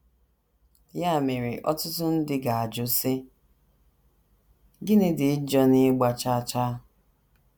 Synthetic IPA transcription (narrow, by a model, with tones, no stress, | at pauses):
ja˦˨me˨ɾɪ˨ʔɔ̰˦tʊ˦tʊ˦n̩˦dɪ˦ɡa˨a˨d͡ʒʊ˦sɪ˦ | ɡɪ˦nɪ˦dɪ˨ɪ˦d͡ʒɔ˦nɪ˦ɡ͡ba˨t͡ʃa˦˨t͡ʃa˦